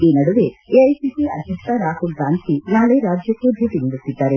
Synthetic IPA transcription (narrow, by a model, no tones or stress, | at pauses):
iːnɐɽuʋeeɐjsiːsiɐd̪ʱjɐkt̪ɐɾaːhulɡaːnt̪ʰinaːɭeɾaːd͡ʒjɐkːud̪ʱut̪inɐɖut̪ːid̪ːaːɾe